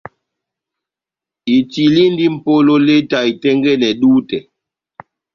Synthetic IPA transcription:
i˨ti˨li˦n˦di˦m̩˨po˦lo˦le˦ta˨i˨tɛ˦ŋɡɛ˦nɛ˨ɗuː˦tɛ˨

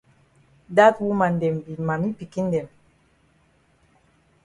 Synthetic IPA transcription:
da˦twu˦ma˨ndɛ˨mbi˨ma˨mi˦pi˨ki˦ndɛ˨m

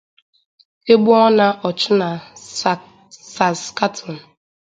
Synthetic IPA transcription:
e˦ɡ͡bu˦ɔ˦na˦ʔɔ˨t͡ʃʊ˦na˨ | sa˨ska˦tʰɔ˨n̩˨

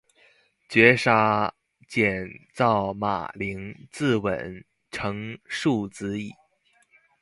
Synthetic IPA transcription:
t͡ɕɥɛ˧˥ʂa˥ | t͡ɕjɛ˨˩nt͡sɑ˥˩ʊma̰˨˩li˧˥ŋt͡sɹ̩˥˩wə̰˨˩˦n | ʈ͡ʂʰɤ˧˥ŋʂu˥˩t͡sɹ̩˧˥i˨˩˦

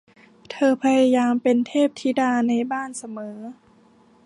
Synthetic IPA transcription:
t̪ʰɤː˧pʰa˧ja˧jaː˧mpe˧nt̪ʰeː˥˩p̚t̪ʰiː˧˩daː˧na˧jbaː˥˨nsa˧mɤː˩˦

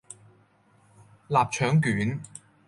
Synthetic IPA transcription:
laː˨p̚t͡ʃʰœː˨˥ŋkyː˨˥n

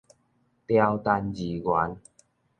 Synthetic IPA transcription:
t̪ja˧wt̪a˧nd͡ʑi˨˩ɡwa˨˦n

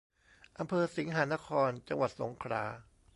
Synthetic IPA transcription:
ʔa˧mpʰɤː˧si˩˦ŋɦaː˩˦na˦˥kʰɔː˧nt͡ɕa˧ŋwa˨˩t̪̚so˩˦ŋkʰɾa̰ː˧˩

